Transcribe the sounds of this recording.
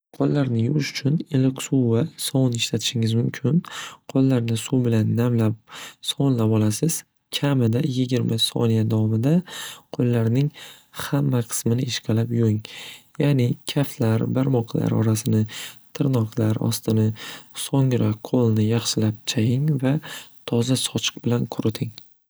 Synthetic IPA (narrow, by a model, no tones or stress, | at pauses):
qʰolˠːaɾnɪjʊʃʊ̥t͡ʃʰʊnelɪkʲsuwvasɒwnɪʃlat̪ʰɪ̥ʃɪŋɪzmʊmkʲʰɪnqʰolˠːaɾnɪsubɪlanːamlap̚sɒnlapɒlasɪz̥ | kʲʰamɪd̪ajɪɡʲɪɾmasɒ̰nijad̪avɒmɪd̪aqʰolˠːaɾnɪŋhamːaqʰɨ̥smɪnɪʔɪʃqʰɑlapjoŋjaːnɪkʲʰaft̪laɾbaɾmɒqʰla̰ɾɒ̰ɾasɪnɪt̪ʰɪɾnɒqʰlaɾɒ̰st̪ɪnɪsɒŋɾaolˠnɪjɑχʃɪlap̚t͡ʃʰajɪŋvat̪ʰɒzasɒt͡ʃʰɨ̥q̚bɪlanqʰʊɾɪt̪ʰɪŋ